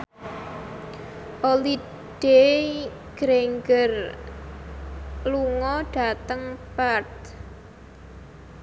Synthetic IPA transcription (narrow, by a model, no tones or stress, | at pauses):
ʔoli | ɖ̥e | ɡ̥ɾeŋɡər | luŋɔɖ̥a̤t̪əŋpart̪̚